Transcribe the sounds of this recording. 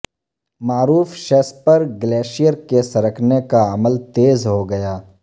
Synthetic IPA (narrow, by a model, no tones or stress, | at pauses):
maːɾuːfʃɛspɐɾɡleːʃijəɾkesɐɾəkʰnekaɐməlt̪eːzɦoɡɐjaː